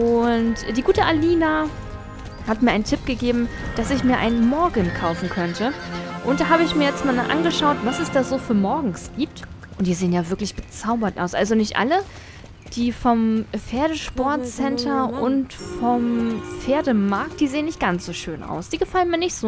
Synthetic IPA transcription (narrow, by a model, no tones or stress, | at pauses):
ʔʊntd̥iːɡuːtəʔaliːna | hat̚miːɐʔaɪntʰɪp̚ɡ̥əɡeːbm̩d̥asɪçmiːɐʔa̰ɪnənmɔɐɡənkʰaʊfn̩kʰœntʰəʔʊntd̥aːɦaːbəɪçmiːɐjɛt͡stmaːlnaʔa̰nɡəʃaʊtv̥asɛsd̥aːzoːfyːɐmɔɐɡŋ̩sɡ̥iːp̚t | ʔʊntd̥iːzeːənjaːvɪɐklɪçb̥ət͡saʊbɐtʔa̰ʊsʔa̰lzonɪçtʔa̰lə | d̥iːfɔmfeːɐɾəʃpɔɐtsɛntʰɐʔʊntfɔmfeːɐdəmaɐk̚td̥iːzeːənɪçt̚ɡ̥ant͡sz̥oːʃøːnʔa̰ʊsd̥iːɡəfalənmiːɐnɪçtz̥oː